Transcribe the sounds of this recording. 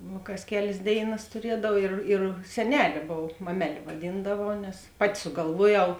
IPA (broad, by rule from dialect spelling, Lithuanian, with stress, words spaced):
ˈnuː kɐs ˈkʲæːlʲeːs ˈdʲeːɪˌnɐs tʊˈrʲiɛdɐw ˈɪr ɪr sʲɛˈnʲæːlʲeː ˈboːw ˈmɑːmʲɛˌlʲeː ʋɐˈdʲiːndɐʋɐʊ nʲɛs ˈpɑːˌtʲɪ sʊɡɐlˠˈʋuɔˌjɛʊ